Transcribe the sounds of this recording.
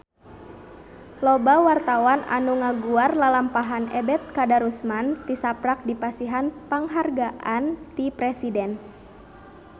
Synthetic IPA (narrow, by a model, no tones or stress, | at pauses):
lɔbawart̪awana̰nuŋaɡuarlalampaɦanɛ̰bɛt̪̚kadaɾusmant̪isapɾak̚dipasiɦanpaŋɦarɡaʔant̪ipɾɛsidɛn